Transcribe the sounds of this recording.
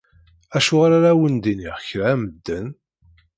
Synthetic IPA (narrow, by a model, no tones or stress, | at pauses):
æʃʊʁaɾaɾæwənd̪iniʁçɾæməd̪ːən